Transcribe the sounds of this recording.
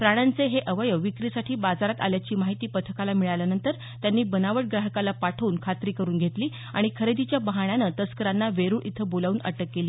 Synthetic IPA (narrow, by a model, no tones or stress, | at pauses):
pɾaɽ̃ant͡seɦeʔəʋəjəʋikɾisaʈʰiːbad͡zaɾat̪a̰ljat͡ɕiːmaɦit̪iːpət̪ʰəkalamiɭajljanənt̪əɾ | t̪janːiːbənaʋəʈ̚ɡɾaɦəkalapaʈʰəuːnkʰat̪ɾiːkəɾuːnɡʱet̪liː | a̰ɽ̃ikʰəɾed̪it͡ɕjabəɦaɳ̃janət̪əskəɾanːaʋeɾuːɽʔit̪ʰəbolaʋuːnʔə̰ʈəkːeliː